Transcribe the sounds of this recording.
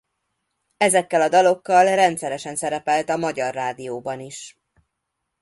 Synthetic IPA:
ɛzɛkːɛlɒd̪ɒlo̞kːɒlrɛnt̪sɛɾɛʃɛnsɛɾɛpɛlt̪ɒmɒɟɒrːaːd̪ijoːbɒniʃ

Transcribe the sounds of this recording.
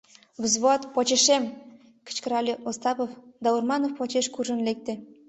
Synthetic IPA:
βəzβoɑt̪pot͡ɕeʃem | kə̥̆t͡ɕkəɾɑlʲeʔost̪ɑpofd̪ɑurmɑnofpot͡ɕeʃkuʒə̆nlek̚t̪ĕ

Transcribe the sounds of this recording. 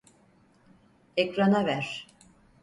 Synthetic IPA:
ekɾanavæɾ̥

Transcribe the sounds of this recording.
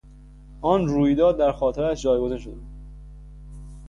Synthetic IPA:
ʔɒːnɾuːjd̪ɒːd̪ːæɾxɒːt̪ʰeɾæʃd͡ʒɒːjɡozenʃod̪euːd̪

